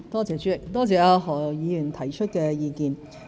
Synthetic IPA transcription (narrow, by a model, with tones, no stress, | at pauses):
t̪ɔː˥t͡sɛː˨˧t͡ʃyː˨˥ɪ˨k̚t̪ɔː˥t͡sɛː˨ɐ˧ɦɔː˨˩jiː˨˧jy˨˩nt̪ʰɐ˨˩jt͡ʃʰɵ˥t̚kɛ˧jiː˧kiː˧n